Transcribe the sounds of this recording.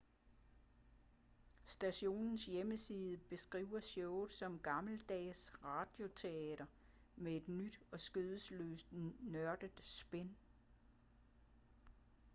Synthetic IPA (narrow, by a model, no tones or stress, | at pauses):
sd̥æɕo̝̰ːnn̩sjeməsiːð̞ˠəb̥e̝sɡ̥ʁḭʊ̰ɐɕɔʊð̩ˠsɒ̽mɡ̥ɑ̈ml̩d̥ɛ̰ːsʁɑ̈d̥jo̝t͡sʰe̝ɛːɾ̥ɐ | mee̝d̥nyd̥ɒ̽sɡ̥øðˠəslø̰ːsd̥nɶɐd̥əð̥ˠsb̥en